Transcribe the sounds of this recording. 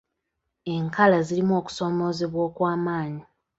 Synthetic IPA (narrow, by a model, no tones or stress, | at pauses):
e̞ŋkalazilimuo̞ːku̥so̞ːmo̞ːzeβwo̞ːkwaːmaːɲi